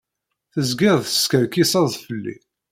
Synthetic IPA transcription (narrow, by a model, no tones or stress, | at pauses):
θəzɡɪɾˤðθəskəɾkisɑðˤfəlːḭ